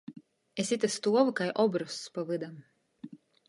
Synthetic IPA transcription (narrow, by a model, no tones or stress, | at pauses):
esit̪ast̪uɔvɨkajʔɔbɾuspavɨd̪am